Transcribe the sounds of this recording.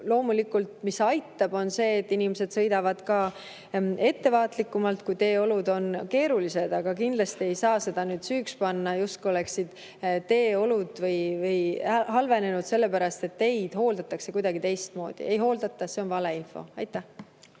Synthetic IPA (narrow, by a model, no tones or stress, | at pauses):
lo̞ːmulikːˑult̪misɑjt̪ːɑb̥o̞nse̞ːt̪ːˑinimese̞d̪̥sɤ̞jd̪ɑvɑd̪̥kɑː | e̞t̪ːe̞vɑːt̪likːˑumɑlt̪kujt̪e̞ːo̞lud̪o̞nke̞ːɾulise̞d̪̥ɑɡ̥ɑkind̪̥lɑst̪ie̞jsɑːse̞d̪̥ɑnyːd̪̥syːkspɑnːɑjust̪kuo̞leksid̪̥ | t̪e̞ːo̞lud̪̥vɤjvɤjɦɑlve̞ne̞nud̪se̞lːe̞pæɾɑst̪e̞t̪ːe̞jd̪̥ho̞ːld̪̥ɑt̪ːˑɑkse̞kujd̪̥ɑɡ̥it̪e̞jst̪̚mo̞ːd̪̥ḭʔe̞jɦo̞ːld̪̥ɑt̪ːˑɑse̞o̞nvɑleinfo̞̰ɑjt̪ːˑæh